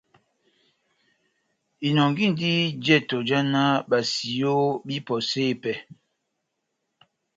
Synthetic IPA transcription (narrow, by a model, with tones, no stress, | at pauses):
i˨nɔ˨ŋɡi˦˨n˨di˦d͡ʒɛ˦˨to˨d͡ʒa˦na˦ba˨si˨jo˦bi˦pɔ˨seː˦˨pɛ˦